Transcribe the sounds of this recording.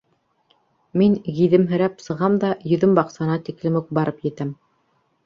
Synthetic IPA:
miŋɡiðɘmɦɵ̆ɾæpsɤ̆ʁɑmd̪ɑjɵ̆ðɵmbɑqsɑnɑt̪iklɘmʉk̚bɑɾɤpjɘ̆t̪æm

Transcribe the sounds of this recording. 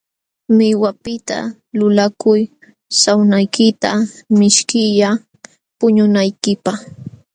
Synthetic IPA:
mɪwapɪt̪a̰ | lʊlakʊj | sawnajkɪt̪amɪʃkɪʎa | pʊɲʊnajkɪpaχ

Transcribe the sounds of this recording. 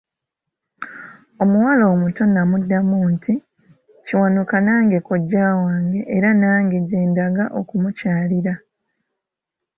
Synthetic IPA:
o̞muwalo̞ːmuto̞namudːamuːntʰi | ciwanukanaːŋɡe̞koɟːaːwaːŋɡe̞ʔːɾanaːŋɡe̞ɟe̞ːndaɡaʔo̞̰kumucaːliɾa

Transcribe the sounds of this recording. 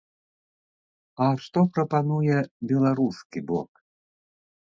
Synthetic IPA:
ɐʂt̪ɔpɾɐpanujɛbʲɛlˠaɾuskʲibɔ̰k

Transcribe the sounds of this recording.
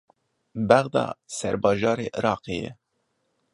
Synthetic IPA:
bæɣd̪ɑ̰ːsɛɾbɑːʒɑːɾeːʔɨɾɑːqejɛ̰

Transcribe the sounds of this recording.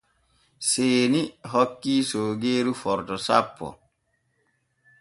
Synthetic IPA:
seːniɦɔkːiːsoːɡeːɾufɔɾtɔsapːɔ̰

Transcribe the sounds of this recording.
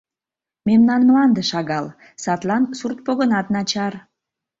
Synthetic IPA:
memnɑnmlɑnd̪əʃɑɣɑl | sɑt̪lɑnsurt̪̚poɣənɑt̪nɑt͡ɕɑr

